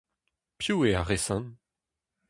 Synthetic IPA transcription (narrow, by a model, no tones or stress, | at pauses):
pjueaʁesɑ̃n